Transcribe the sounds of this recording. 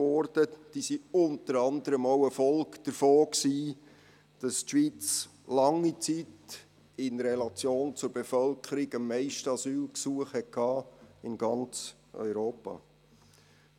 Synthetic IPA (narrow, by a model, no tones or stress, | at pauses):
ɔɾd̥əd̥isiʊnt̪əɾɑnd̪əɾəmowəfɔlkd̥əɾfoːksiː | d̥ɑstʃʋiːt͡slɑŋit͡sit | ɪnɾɛlɑt͡sjoːnt͡sʊɾb̥efœlkʰəɾɪɡəmːɛɪʃtəɑsyːlksuəχhɛt̚kʰɑːɪnɡ̥ɑnt͡s | œ̰ʏɾoːpɑ̰